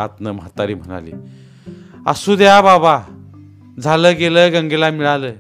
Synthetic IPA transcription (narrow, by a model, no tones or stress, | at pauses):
at̪nəməɦat̪ːaɾiːm̤əɽ̃a̰lḭː | a̰suːd̪jababa | d͡zʱaləːɡeləɡə̃ŋɡelamiɭaləː